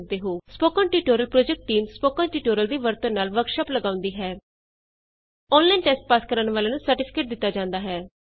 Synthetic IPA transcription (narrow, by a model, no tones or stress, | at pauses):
d̪eːɦoːspoːkãːnʈiːʈoːɾəlpɾoːd͡ʒɛk̚ʈːiːmspoːkãːnʈiːʈoːɾəld̪iːʋəɾt̪õnaːlʋəɾkʃaːpləɡãːʊ̃nd̪iːɦɛː | ɔːnlaːinʈɛːsʈ̚paːskəɾənʋaːlaːnũːsəɾʈɪpʰɪ̥keːʈ̚d̪ɪt̪ːaːd͡ʒãːnd̪aːɦɛː